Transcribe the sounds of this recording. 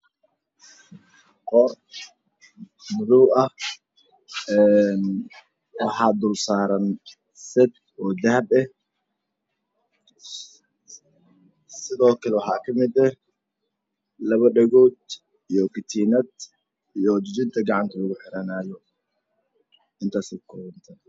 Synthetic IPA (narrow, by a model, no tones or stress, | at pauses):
qɔr | mʊðʊwɐh | ɛn | wɑħɑːd̪ʊlsaːɾɐn | sɛd̪̚ | ɔːd̪ɐɦɐbɛh | sɪðɔːkʰɐlɛwɑħɑ̰ːkʰɐmɪd̪ɛh | lɐβɐɖɐɣɔːd̪̚ | ijɔkʰɪt̪ʰiːnɐd̪ | ijɔd͡ʒɪt͡ʃɪnt̪ʰɐɡɑʕɑnt̪ʰɐlɐɣʊħɪɾɐnaːjɔ | ɪnt̪ʰaːsɛkʰɔːβɐnt̪ʰɐ